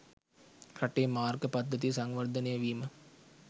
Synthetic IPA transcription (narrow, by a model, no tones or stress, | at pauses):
kɐʈːeːmaːɾkɐpɐd̪ʱːɐt̪isɐŋʋɐɾd̪ʱɐnejɐʋiːmɐ